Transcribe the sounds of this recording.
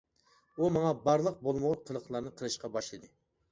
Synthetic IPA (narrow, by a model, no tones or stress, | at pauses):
umɑŋɑbɑɾlˠəq̚bolˠmʊʁqʰəlˠəχlˠɑɾnɨqʰəlˠɨʃqɑbɑʃlˠɨd̪ɨ